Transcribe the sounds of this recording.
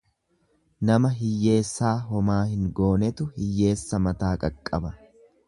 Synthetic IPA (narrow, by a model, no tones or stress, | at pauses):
nɐmɐɦɪjːe̞ːsːaːɦɔmaːhɪŋɡo̞ːnɛt̪ʊhɪjːe̞ːsːɐmɐt̪aːkʼɐkʼːɐbɐ